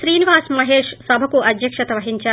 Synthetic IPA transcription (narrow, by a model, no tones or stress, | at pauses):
ʃɾiːniʋaːsmɐɦeːʂsɐbʱɐkuɐd̪ʱjɐkʂɐt̪ɐʋɐɦiɲt͡ʃaː